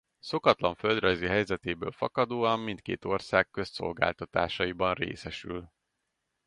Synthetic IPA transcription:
so̞kɒt̪lɒɱfø̞ld̪rɒjziɦɛjzɛt̪eːbøːlfɒ̰kɒd̪oːɒmːint̪̚kḛːt̪o̞rsaːkːø̞sso̰lɡa̰ːlt̪ɒt̪aːʃɒjibɒnrḛːsɛʃyl

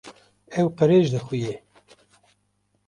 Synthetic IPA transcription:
ɛwqəɾeːʒd̪əxuje

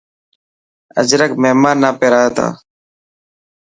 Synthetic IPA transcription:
ə̰d͡ʒɾəkmeɦmaːnːaːpeːɾaːət̪a̰ː

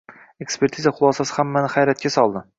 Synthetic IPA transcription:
e̞kspe̞ɾt̪ʰizaχʊlˠɒsasɪ̥hamːanɪχajɾat̪̚kʲasɒlˠd̪ɪ

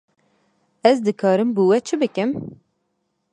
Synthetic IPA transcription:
ɛzd̪ɨkʰɑːɾɨmbuwɛt͡ʃʰɨbɨkɨm

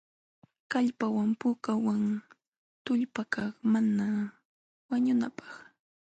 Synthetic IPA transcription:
kaʎpawampʊkawaŋ | t̪ʊʎpakaχmana | waɲʊnapɑ̥χ

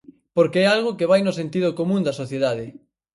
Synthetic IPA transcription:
poɾkeɛalɣokeβ̞ajnʊsent̪iðokomũnd̪ɐsoθjeðað̞ɪ

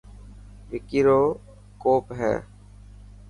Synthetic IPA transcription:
ʋɪkiːɾoː | koːpɦɛ̰ː

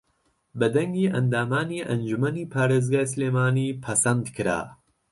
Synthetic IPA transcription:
bɨd̪ɐŋɡiːʔɐnd̪aːmaːniːʔɐnd͡ʒumɐniːpʰaːɾeːzɡaːjsleːmaːniːpʰɐsɐnd̪kʰɨɾa̰ː

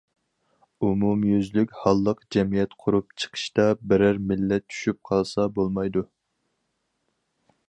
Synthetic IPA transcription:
umumjyzlykʲhɑlˠːəqd͡ʒɛmijɛt̪qʰʊɾup̚t͡ʃʰə̥qʰə̥ʃt̪ɑbɪɾæɾmɪlːɛt̪̚t͡ʃːʰy̥ʃyp̚qʰɑlˠsɑbolˠmɑjd̪u

